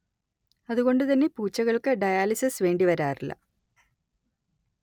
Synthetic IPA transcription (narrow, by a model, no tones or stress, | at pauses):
ɐðuɣo̞ɳɖɨt̪ɐnːe̞puːt͡ɕːɐɣɐɭkɨɖɐjaːlisɐsʋe̞ːɳɖiʋɐɾaːrilːɐ̰